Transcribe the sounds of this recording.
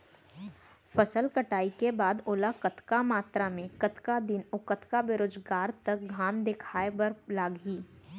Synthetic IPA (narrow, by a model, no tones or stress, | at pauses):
fɐsəlkəʈaːikebaːd̪oːlakət̪kamaːt̪ɾamẽkət̪kad̪ɪnʊkət̪kabeɾoːd͡ʒɡaːɾt̪ɐk̚ɡʱaːmd̪ekʰaːebɐɾlaːɡiː